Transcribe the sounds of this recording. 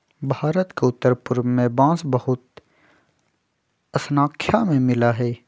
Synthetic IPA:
bʱaːɾət̪keʊt̪ːəɾpʊɾmẽbãːsbɐɦʊt̪ | ɐsnaːkʰjamẽmɪlaɦɛː

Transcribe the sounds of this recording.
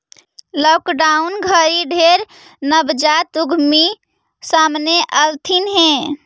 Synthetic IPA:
lɔkɖaunɡʱəɾiɖʱeɾ | nəbd͡ʒat̪uɡʱmi | samneʔəlt̪ʰinɦẽ

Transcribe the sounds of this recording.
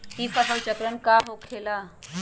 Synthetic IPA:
ĩːpasãːt͡ʃəkɾənkaːɦokʰeːlaː

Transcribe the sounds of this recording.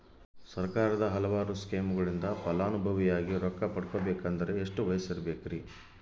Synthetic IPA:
sɐɾkaːɾɐd̪ɐɦɐlɐʋaːɾuskeːmuɡɐɭind̪ɐpɐlaːnubʱɐʋijaːɡiɾɔkːɐpɐɽkobɛːkɐnd̪ɐɾe̞ːʂʈuʋɐjɐsiɾɐbeːkɾi

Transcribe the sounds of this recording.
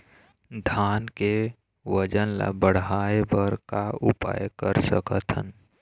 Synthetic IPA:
d̪ʱaːnke | wəd͡ʒənla̰bəɽ̤aːebəɾkaʊpa̰ːjkəɾsə̰kət̪ʰɦən

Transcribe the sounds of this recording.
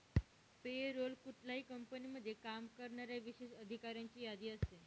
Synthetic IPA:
peɾolkuʈlaikəmpəniməd̪ʱːjekamkəɾnaɾjaʋiʃeʃəd̪ʱikaɾjãɲt͡ɕijad̪iəse

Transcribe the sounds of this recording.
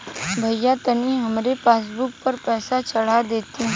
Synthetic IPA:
bʱəjjːat̪əniɦəmɾepaːs̬buk̚pəɾpɛːsat͡ʃəɽ̤ad̪et̪ĩ

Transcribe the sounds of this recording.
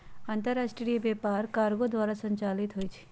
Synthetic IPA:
ant̪əɾaʃʈɾɾibepaːɾkaːɾɡod̪waːɾasə̃ɲt͡ʃaːlit̪ɦojt͡ʃʰi̥

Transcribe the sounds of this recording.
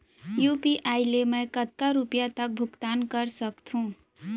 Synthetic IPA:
jupiʔajlemʌjkət̪̚kaɾupijat̪ək̚bʱukt̪ankʌɾsʌkt̪ʰũ

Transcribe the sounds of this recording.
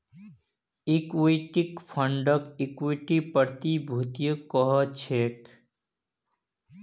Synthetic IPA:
ikwiʈikpʰəɳɖəkikwiʈipəɾt̪ibʱut̪ijəkɔɦɔt͡ʃʰek

